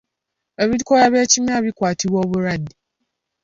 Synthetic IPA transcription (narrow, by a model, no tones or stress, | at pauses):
eβidkɔɾaβet͡ʃimabikʷatiwɔbʊɾadi